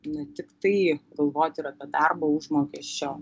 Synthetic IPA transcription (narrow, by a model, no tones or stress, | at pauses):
nɛt̪ʲɪkt̪ɐɪɡɐlˠʋoːt̪ʲɪɾɐt̪ɐd̪ɑrboʊʒmoːkʲɛʃʲt͡ʃʲoː